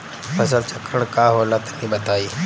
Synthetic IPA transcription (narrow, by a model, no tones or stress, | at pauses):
fʰɐs̬əlt͡ʃəkɾəɽ̃kaːɦoːlat̪ɐ̥nĩːbɐt̪aːiː